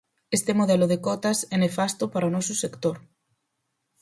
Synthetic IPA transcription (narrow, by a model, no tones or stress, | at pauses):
est̪emoð̞ɛlʊð̞ekɔt̪ɐsɛnefast̪ʊpaɾaonɔsʊsekt̪oɾ